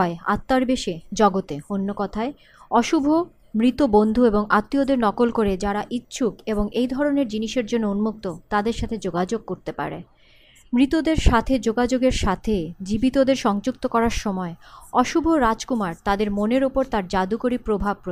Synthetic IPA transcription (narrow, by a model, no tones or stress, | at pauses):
ɔea̰t̪ːaɾbeʃed͡ʑɔɡot̪eonːokɔt̪ʰae | ɔʃubʱo | mɾit̪obond̪ʱueboŋʔat̪ːiod̪eɾnɔkolkoɾed͡ʑaɾaʔitːɕʰukeboŋejd̪ʱɔɾoneɾd͡ʑiniʃeɾd͡ʑonːounmuk̚t̪ot̪ad̪eɾʃat̪ʰed͡ʑoɡad͡ʑoɡ̚koɾt̪epa̰ɾḛ | mɾit̪od̪eɾʃat̪ʰed͡ʑoɡad͡ʑoɡeɾʃat̪ʰed͡ʑibit̪od̪eɾʃɔŋd͡ʑuk̚t̪okɔɾaɾʃɔmɔeɔʃubʱoɾad͡ʑkumaɾt̪ad̪eɾmoneɾopoɾt̪aɾd͡ʑad̪ukoɾipɾobʱab̚pɾo